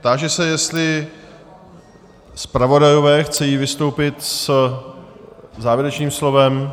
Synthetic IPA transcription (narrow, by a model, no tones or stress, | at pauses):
t̪aːʒɛsɛjɛst̪lɪ | spɾavo̞dajovɛːxt͡sɛjiːvɪst̪o̞wpɪt̪s | zaːvjɛɾɛt͡ʃɲiːmslo̞vɛm